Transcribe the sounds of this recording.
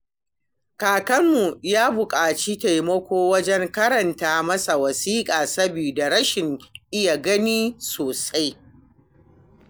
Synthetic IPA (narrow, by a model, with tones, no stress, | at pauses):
kaː˨kɐ˦mːu˨jaː˦bʊ˨kʼaː˨t͡ʃi˦ta˨jmɐ˦kʷoː˦wɐ˦d͡ʒɛ˦ŋkɐ˦ɾɐ˨ntaː˨mɐ˦sa˨wɐ˨siː˦kʼaː˨sɐ˦biː˨da˨ɽɐ˦ʃɪ˨ŋʔɪ˦ja˨ɡɐ˦niː˦soː˨sa˦j